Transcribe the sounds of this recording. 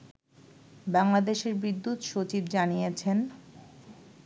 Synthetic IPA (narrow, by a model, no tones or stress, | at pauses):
baŋlad̪eʃeɾbid̪ːut̪ʃot͡ɕibd͡ʑanijet͡ɕʰen